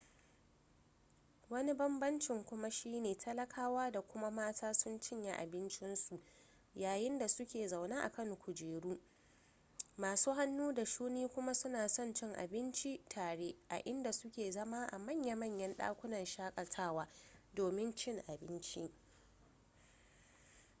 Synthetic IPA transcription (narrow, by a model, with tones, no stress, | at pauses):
wɐ˦ni˦bɐ˦mbɐ˦nt͡ʃɪ˨ŋkʷʊ˦ma˦ʃiː˦neː˨tʰɐ˦lɐ˦kʰaː˦waː˦da˨kʷʊ˦ma˦maː˦tʰaː˦sʊ˦nt͡ʃɪ˦ɲja˦ʔa̰˨bɪ˦nt͡ʃɪ˦nsu˨ | jaː˨jɪ˦nda˨sʊ˦kʲeː˨zɐ˨wnaː˦ʔa̰˨kɐ˦ŋkʷʊ˨d͡ʒeː˨ɽuː˦ | maː˨suː˦ɦa˦nːuː˦da˨ʃuː˦niː˦kʷʊ˦ma˦sʊ˦naː˨sɔ˦nt͡ʃɪ˦˨ŋʔa̰˨bɪ˦nt͡ʃi˦tʰaː˨ɽe˦ʔa̰˨ʔɪ˦nda˨sʊ˦kʲeː˨zɐ˦ma˦ʔa̰˨mɐ˦˨ɲja˦mɐ˦ɲjɐ˦nɗa̰ː˦kʷʊ˦nɐ˨nʃaː˦kʼɐ˨tʰaː˦waː˦doː˨mɪ˦nt͡ʃɪ˦ŋʔa˨bɪ˦nt͡ʃi˦